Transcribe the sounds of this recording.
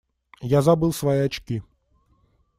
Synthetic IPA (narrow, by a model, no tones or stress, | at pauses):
jazabɨlˠsvajiɐt͡ɕkʲi